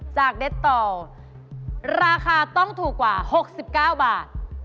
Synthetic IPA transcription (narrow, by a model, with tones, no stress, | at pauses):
t͡ɕaː˨˩k̚de˦˥t̪ːɔː˧˩ | ɾaː˧kʰaː˧t̪ɔ˥˩ŋt̪ʰuː˨˩kːwaː˨˩ho˨˩k̚si˨˩p̚kaː˥˩wbaː˨˩t̪̚